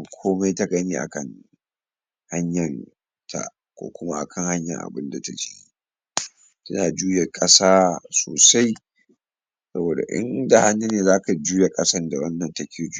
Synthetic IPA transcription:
kʷʰoː˦ma˦jta˦ɡɐ˦niː˦ʔa̰˨kɐ˦˨ŋ | ha˦ɲjɐ˨n | tʰa̰˨ʔ | kʷo̰ː˦kʷʊ˦ma˦ʔa̰˨kʰɐ˦˨ŋha˦ɲjɐ̰˨ŋʔa̰˨bɪ˦nda˨ta˨d͡ʒɪ˦i˦ | tɐ˦naː˨d͡ʒuː˦je˨kʼɐ˦saː˦soː˨sa˦j | sɐ˦boː˨da̰˨ʔɪ̰˦nda˨ha˦nːu˦neː˨zaː˦ka˨d͡ʒuː˦ja˨kʼɐ˦sɐ˦nda˨wɐ˦nːɐ˨ntɐ˦kʲʰeː˨d͡ʒ

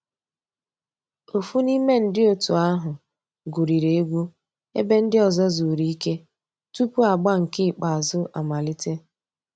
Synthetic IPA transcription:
o˨fu˦ni˦me˦n̩˦dɪ˦o˨tu˨a˦ɦʊ˨ | ɡu˨ɾi˨ɾe˨e˦ɡʷu˦ | ḛ˦be˦n̩˦dɪ˦ɔ˨zɔ˦zu˨ɾi˦i˦ke˦ | tu˦pu˦a˨ɡ͡ba˦ŋ̩˨kɪ˦˨k͡pa˨zʊ˦ʔa̰˨ma˨li˦te˦

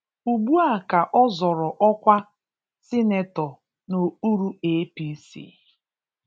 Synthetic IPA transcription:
u˨ɡ͡bu˦a˨ka˨ʔɔ˦zɔ˨ɾɔ˨ʔɔ˦kʷa˦ | sɪ˦ne˨tɔ˨ | no˨u˦ɾu˦e˦pi˦sḭ˦˨

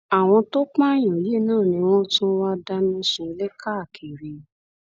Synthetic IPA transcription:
a˨w̃ɔ̃˧to˦k͡pã˦˨j̃ɔ̃˨je˦˨nãː˦˨nĩ˧w̃ɔ̃˦tũ˦wa˦da˦nĩ˧sũ˧˦lɛ˦ka˦˨kʰe˨ɾe˨

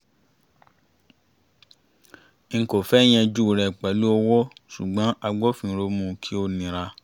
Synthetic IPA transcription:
ŋ̩˨ko˨fɛ˦j̃ɛ̃˧d͡ʒu˦˨ɾɛ˨k͡pɛ˨lu˦ɔ˧wɔ˦ʃu˨ɡ͡bã˨˦ʔa˧ɡ͡bɔ˦fĩ˧˨˧ɾo˧mũ˧˨kʰi˦o˦nĩ˧˨ɾa˧

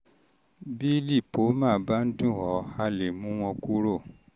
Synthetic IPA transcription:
bi˦li˦˨po˨˦mãː˦˨˦ba˦n̩˦dũ˦˨hɔ˨˦a˧le˨mũ˦w̃ɔ̃˧ku˦ɾo˦˨

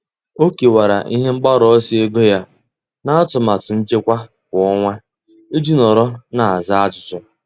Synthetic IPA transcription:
o˦ke˨wa˨ɾa̰˨ʔi˦ɦe˦ŋ͡m̩˦k͡pa˦ɾɔ˦si˦e˦ɡo˦ja˦ | na˦a˦tʊ˨ma˨tʊ˨n̩˦t͡ʃe˦kʷa˦ | kʷɔ˦ŋʷa˦ | e˦d͡ʒi˦nɔ˨ɾɔ˦na˨a˨za˦a˦d͡ʒʊ˨tʊ˦

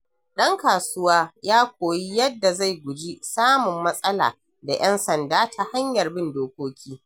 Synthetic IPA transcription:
ɗɐ˦ŋkaː˨sʊ˦waː˦jaː˦kʷoː˨ji˦jɐ˦dːa˨za˦˨jɡʷʊ˨d͡ʒi˦saː˦mʊ˨mːɐ˦sʼɐ˦la̰ː˨ | da˨jʔɛ˦nsɐ˨ndaː˦tʰa˦ha˦ɲjɐ˨rbɪ˦ndoː˦kʷoː˦kʲiː˦

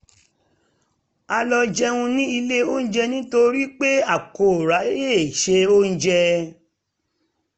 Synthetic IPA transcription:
a˧lɔ˧d͡ʒɛ˦˧ũ˧nĩ˦i˧le˦o˦ñ̩˦d͡ʒɛ˧nĩ˦to˧ɾi˦k͡pe˦a˦˨ko˨ɾa˨˦je˦˨ʃe˧o˦n̩˦d͡ʒɛ˧

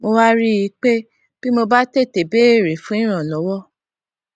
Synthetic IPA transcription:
mo˧wa˦ɾi˦ji˨˦k͡pe˦ | b̥i˦mo˧ba˦te˦˨te˨be˦e˦˨ɾe˨fũ˦ĩ˦ɾ̃ã˨lɔ˨˦wɔ˦˨

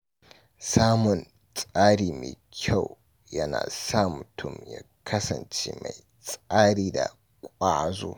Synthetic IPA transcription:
saː˦mʊ˨n | sʼaː˦ɽiː˨mḛː˨kʲʰa˦˨w | jɐ˦na̰ː˨sa˦˨mʊ˨tʰʊ˦˨mjaː˦kʰɐ˦sɐ˨nt͡ʃḛː˦ma˨j | sʼaː˦ɽiː˨da˨ | kʷʼaː˦zo̰ː˦

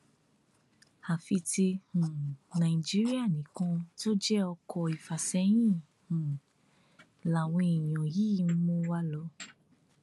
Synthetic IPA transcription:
a˨fi˧ti˧hũ˨nã˨i˨d͡ʒi˦ɾi˦a˦˨nĩ˨˦kã˧to˦d͡ʒɛ˦ɔ˧kɔ˧i˨fa˨sɛ˨˦j̃ĩ˦˨ | ũ˨ | la˨w̃ɔ̃˧i˨j̃ɔ̃˨jiː˦m̩˦mõ˦wa˦lɔ˧

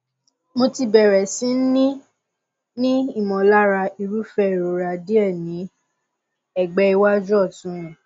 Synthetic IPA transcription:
mo˧ti˧bɛ˨ɾɛ˨sĩ˨˦n̩˦nĩ˦ | nĩ˦i˦˨mɔ̃˨la˦ɾa˧i˧ɾu˦fɛ˧˨ɾo˨ɾa˨di˦ɛ˦˨nĩ˨˦ | ɛ˦˨ɡ͡bɛ˧˦i˧wa˦d͡ʒɔ˦˨tũ˨˦ɛ̃˨

